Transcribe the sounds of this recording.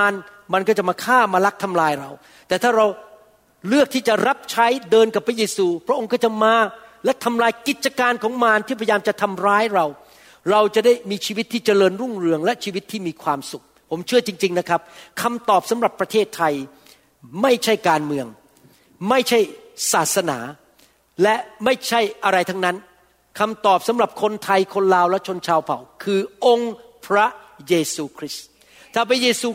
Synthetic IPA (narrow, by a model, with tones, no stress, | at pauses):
aː˧nma˧nkɔ˥˩t͡ɕa˨˩maː˧kʰaː˥˩maː˧la˦˥k̚t̪ʰa˧mlaː˧jɾa˧w | t̪ɛː˨˩t̪ʰaː˥˩ɾa˧w | lɯ˥˩ək̚t̪ʰiː˥˩t͡ɕa˨˩ɾa˦˥p̚t͡ɕʰa˦˥jdɤː˧nka˨˩pʰːɾa˦˥jeː˧suː˧pʰɾa˦˥ʔo˧ŋkɔː˥˩t͡ɕa˨˩maː˧lɛ˦˥t̪ʰa˧mlaː˧jki˨˩t̪̚t͡ɕa˧kaː˧nkʰɔː˩˦ŋmaː˧nt̪ʰiː˥˩pʰa˧ja˧jaː˧mt͡ɕa˨˩t̪ʰa˧mɾaː˦˥jɾa˧w | ɾa˧wt͡ɕa˨˩da˥˩jmiː˧t͡ɕʰiː˧wi˦˥t̪ʰːiː˥˩t͡ɕa˧lɤː˧nɾu˥˩ŋɾɯ˧əŋlɛ˦˥t͡ɕʰiː˧wi˦˥t̪ʰːiː˥˩miː˧kʰwaː˧msu˨˩k̚pʰo˩˦mt͡ɕʰɯ˥˩ɐt͡ɕi˧ŋt͡ɕi˧ŋna˦˥kʰɾa˦˥p̚kʰa˧mt̪ɔː˨˩p̚sa˩˦mɾa˨˩pːɾa˧t̪ʰeː˥˩t̪ʰːa˧j | ma˥˩jt͡ɕʰa˥˩jkaː˧nmɯ˧əŋ | ma˥˩jt͡ɕʰa˥˩jsaː˨˩t̪̚sa˧na̰ː˩˦ | lɛ˦˥ma˥˩jt͡ɕʰa˥˩jʔa˧ɾa˧jt̪ʰa˦˥ŋna˦˥n | kʰa˧mt̪ɔː˨˩p̚sa˩˦mɾa˨˩p̚kʰo˧nt̪ʰa˧jkʰo˧nlaː˧wlɛ˦˥ʔt͡ɕʰo˧nt͡ɕʰaː˧wpʰa˨˩˦wkʰɯː˧ʔo˧ŋpʰɾa˦˥jeː˧suː˧kʰɾi˦˥s | t̪ʰaː˥˩pʰɾa˦˥jeː˧suː˧